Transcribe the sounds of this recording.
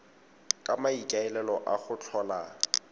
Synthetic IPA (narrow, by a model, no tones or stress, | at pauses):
kʼamaikʼaɛlɛlɔʔaχʊt͡ɬʰɔːla